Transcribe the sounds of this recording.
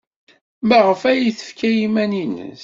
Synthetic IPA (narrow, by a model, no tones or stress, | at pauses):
məʁəfæjiθə̥fkæjimæninə̰s